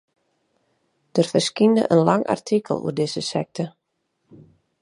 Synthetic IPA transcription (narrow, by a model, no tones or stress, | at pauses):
d̥ərfərskində̰ʔə̰nlɑŋʔa̰rtʰikʰəlˠṵərdɪzəsɛ̰k̚tʰə